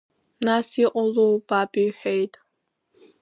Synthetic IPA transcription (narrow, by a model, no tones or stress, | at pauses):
nasiqʼɔlowb̥aːbʼiħʷejtʼ